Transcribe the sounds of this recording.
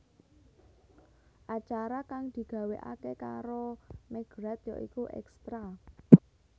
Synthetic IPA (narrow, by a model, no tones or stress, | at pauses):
ʔat͡ʃaɾakaŋd̪̥i̤ɡ̥a̤weʔa̰kekaɾomeɡ̥ɾɛt̪jɔ̰ʔikuʔɛ̰kst̪ɾa